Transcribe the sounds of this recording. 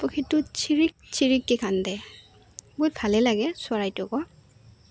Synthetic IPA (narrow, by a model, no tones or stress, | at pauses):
pɔkʰitːʊt͡ʃʰiɹik̚t͡ʃʰiɹikːikʰandɛ | bojbʰʱalɛlaɡɛsʊaɹajtʊkɔ